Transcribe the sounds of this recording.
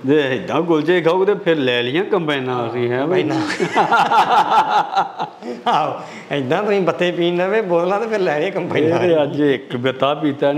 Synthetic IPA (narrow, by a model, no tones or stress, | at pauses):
d̪eːɪd̪ãːkʊlt͡ʃekʰaoɡt̪eːpʰɪɾlɛːlɪjãːkəmpɛːnãːəsĩːɦɛ̃ːbnãː | ɦãːoː | ɪd̪ãːt̪ʊsĩːbət̪ːeːpiːnɛ̃ːʋeːboːllãːt̪eːpʰɪɾlɛːlɪjãːkəmpːñeːəd͡ʒɪkbət̪aːpiːt̪aː